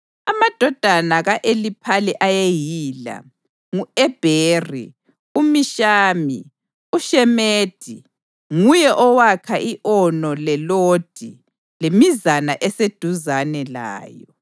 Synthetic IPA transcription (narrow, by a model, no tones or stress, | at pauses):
amad̥ʱɔd̥ʱanaɣaʔelipʰaliʔajejiːla̰ | ŋuɛb̥ʱeːrḭ | umiʃaːmi | uʃɛmeːd̥ʱi | ŋujɛʔɔwakʰaʔiʔɔnɔlɛloːd̥ʱi | lemizanaʔɛsed̥ʱuzanɛla̰ːjɔ